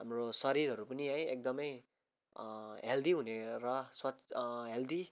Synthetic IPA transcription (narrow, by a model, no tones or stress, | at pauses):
ɦamrosʌɾiɾɦʌɾupʌniãjek̚d̪ʌmʌj | ɦeld̪iɦuneɾʌswʌɦeld̪i